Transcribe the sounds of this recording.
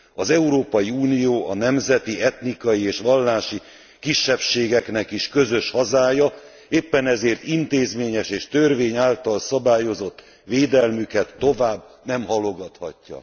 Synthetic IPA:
ɒzɛuɾoːpɒjiuːnijoːʔɒnɛmzɛt̪iɛt̪nikɒjieːʃʋɒlːaːʃi | kiʃːɛpʃeːɡɛknɛkiʃkø̞zø̞ʃhɒzaːjɒ | eːpːɛnɛzeːrt̪int̪eːzmeːɲɛʃeːʃt̪ørveːɲaːlt̪ɒlsɒbaːjo̞zo̞t̪ː | ʋeːd̪ɛlmykɛt̪ːo̞vaːbː | nɛmɦɒlo̞ɡɒt̪hɒ̰cːɒ̰

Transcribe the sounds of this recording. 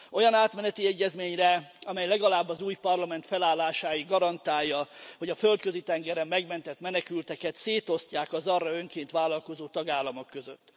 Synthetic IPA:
ʔo̞jɒnaːt̪mɛnɛt̪iɛɟːɛzmeːɲrɛɒmɛjlɛɡɒlaːbːɒzuːjpɒrlɒmɛnt̪fɛlaːlːaːʃaːjiɡɒɾɒnt̪aːjːɒho̞ɟɒfø̞lt̪kø̞zit̪ɛŋɡɛɾɛmːɛɡmɛnt̪ɛt̪mɛnɛkylt̪ɛkɛt̪seːt̪o̞scaːkɒzɒrːɒøŋkeːnt̪ʋaːlɒlko̞zoːt̪ɒɡaːlːɒmokːø̞zøt̪ː

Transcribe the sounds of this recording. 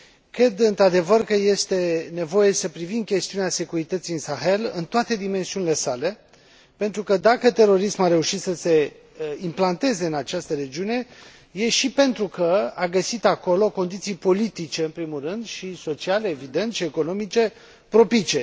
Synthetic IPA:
kɾe̞d̪ɨnt̪ɾad̪e̞vərkəje̞st̪e̞ne̞vo̞jesəpɾivimkʲe̞st̪iunease̞kuɾit̪ət̪sijɨnsaxe̞lɨ̰nt̪oat̪e̞d̪ime̞nsiunile̞sale̞ | pe̞nt̪ɾukəd̪akət̪e̞ɾo̞ɾismaɾe̞uʃit̪səse̞ | implant̪e̞ze̞ɨnat͡ʃast̪əɾe̞d͡ʒiune̞ | je̞ʃipe̞nt̪ɾukəaɡəsit̪ako̞lo̞ko̞nd̪it̪sijpo̞lit̪it͡ʃe̞ɨnmpɾimulrɨnd̪ʃiso̞t͡ʃiale̞ːvid̪e̞nt̪ʃieko̞no̞mit͡ʃe̞ | pɾo̞pit͡ʃe̞

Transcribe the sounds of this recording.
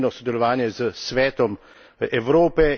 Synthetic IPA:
nɔsɔd̪ɛlɔʋaːnjɛzəsʋɛːt̪ɔm | ɛwɾoːpɛ

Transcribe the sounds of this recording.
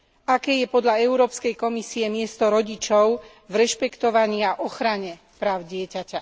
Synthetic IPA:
akɛːjɛpɔd̪ʎaɛʊɾɔːpskɛjkɔmisiɛmɪɛst̪ɔɾɔɟit͡ʃɔʊ | vɾɛʃpɛkt̪ɔʋaɲiaʔɔxɾaɲɛ | pɾaːʊɟɪɛcaca

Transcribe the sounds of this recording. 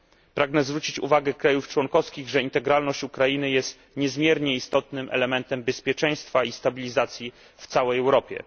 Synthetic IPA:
pɾaɡnɛzvɾut͡ɕit͡ɕṵvaɡɛkɾajuft͡ʂwɔŋkɔfskʲiɣʐɛint̪ɛɡɾalnɔɕt͡ɕukɾainɘjɛst̪ | ɲɛzmʲjɛɾɲɛist̪ɔt̪nɘmʔɛ̰lɛmɛnt̪ɛmbɛspʲjɛt͡ʂɛ̃j̃st̪faist̪abʲilʲizat̪sʲji | ft̪sawɛjɛwɾɔpʲjɛ̰

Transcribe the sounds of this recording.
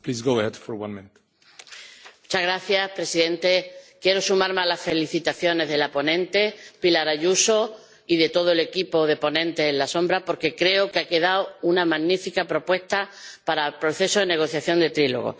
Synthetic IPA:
plizɡoʊəhɛdfɔɾwã̰nmɪ̃nt̪ | mut͡ʃaɣɾaθjaspɾe̞siðẽ̞nt̪e̞kje̞ɾo̞sumaɾmalasfe̞liθit̪aθjo̞ne̞zðe̞lapo̞nẽ̞nt̪e̞pilaɾaʝuso̞ | iðe̞t̪o̞ð̞oele̞kipo̞ð̞e̞po̞nẽnt̪e̞ːnlasõ̞mbɾapo̞ɾke̞kɾe̞okeake̞ðaounamaɣnifikapɾo̞pwe̞st̪apaɾapɾo̞θe̞soðene̞ɣ̞o̞θjaθjo̞nd̪e̞t̪ɾilo̞̰ɣo̞̰

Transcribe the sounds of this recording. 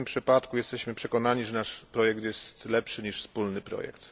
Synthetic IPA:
ɘmpʂɘpat̪kujɛst̪ɛɕmɘpʂɛkɔn̪aɲiʐɛnaʂpɾɔjɛk̚t̪jɛst̪lɛpʂɘɲiʂfspulnɘpɾɔ̰jɛ̰kt̪

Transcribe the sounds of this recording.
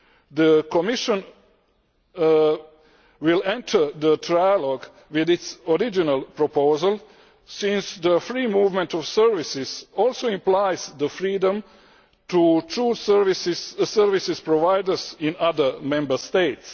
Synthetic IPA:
d̪əkomiʃə̃n | wilɛ̃ntʰə˞d̪ətɾajaloɡ | wiðɪt̪sɔɾid͡ʒinalˠpɾopozalˠ | sĩnsd̪əfɾiːmuːvmɛ̃nt̪ɔfsəɾʋisɪsɔlˠsoĩmplajz̥d̪əfɾiːdə̃m | tutɾuːsʋisɪsəɾʋisɪspɾoʋajdəsĩnad̪əmɛ̃mbəst̪eɪt̪s

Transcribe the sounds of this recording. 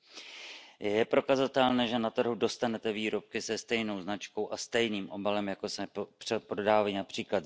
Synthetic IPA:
jjɛpɾo̞kazat̪ɛlnɛːʒɛnat̪r̩ɦudo̞st̪anɛt̪ɛviːɾo̞p̚kɪsɛst̪ɛjno̞wznat͡ʃko̞wʔast̪ɛjniːmʔo̞balɛmjakosmɛpr̥ɛpɾodaːvajinapr̝̥iːklat̪

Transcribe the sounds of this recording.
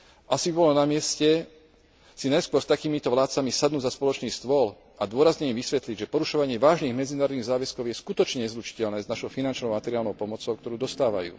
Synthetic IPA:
ʔasibibɔlɔnamɪɛscɛ | sinajskʊwɔɾst̪akiːmit̪ɔʋlaːt̪t͡samisad̪nuːɟzaspɔlɔt͡ʃniːst̪ʋɔl | ad̪ʊɔɾazɲɛmimʋisʋɛt̪liɟʒɛpɔɾuʃɔʋaɲɪɛʋaːʒniːɣmɛd͡zinaːɾɔd̪iːɣzaːʋɛskɔʊjɛskut̪ɔt͡ʃɲɛɛzɾut͡ʃi̥cɛʎnɛːznaʃɔʊfinant͡ʃnɔʊmat̪ɛɾɪaːlnɔʊpɔmɔt͡sɔʊk̚t̪ɔɾuːd̪ɔst̪aːʋa̰jṵː

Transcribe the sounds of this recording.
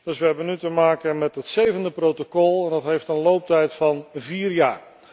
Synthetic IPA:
d̥ɵsʋəɦɛbənytəmaːkənmɛtɦətsejvəndəprowtokɔlˠɛndɑtɦejftənlowp̚tɛjtfɑnviːrjaːɹ

